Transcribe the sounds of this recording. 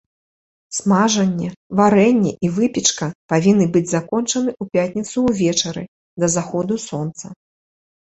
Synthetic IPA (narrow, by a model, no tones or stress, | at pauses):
smaʐɐnʲːɛvaɾɛnʲːɛʔivɨpʲit͡ʂkɐpavʲinːɨbɨd͡zʲzakɔnt͡ʂɐnɨʔupʲatʲnʲit̪suːvʲɛt͡ʂɐɾɨ̰ | d̪ɐzaxɔd̪usɔnt̪sɐ